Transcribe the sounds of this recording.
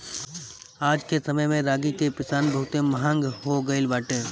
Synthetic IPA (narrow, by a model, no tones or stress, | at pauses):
aːd͡ʒkesɐməjmẽɾaːɡikepɪsaːnbɐɦʊt̪eməɦə̃ŋɡhoɡəɪlbaːʈeː